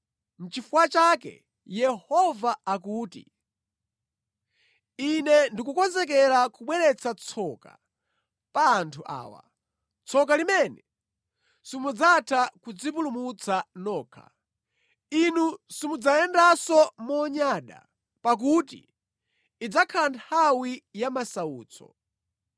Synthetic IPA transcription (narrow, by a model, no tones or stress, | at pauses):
m̩t͡ʃifuwat͡ʃakɛ̰ | jɛhɔvaakuːtḭ | inɛndikukɔnzɛk̬ɛlakuɓwɛɾɛt͡sat͡sʰɔka̰ | paːntʰuʔa̰ːwa̰ | t͡sʰɔk̬alimɛnɛ | simud͡zatʰakud͡zip̬ulumut͡sʰanɔːkʰa̰ | inusimud͡zajɛndasɔmɔɲaɗa̰ | pak̬utḭː | d͡zakʰalantʰawijamasauːt͡sʰɔ̰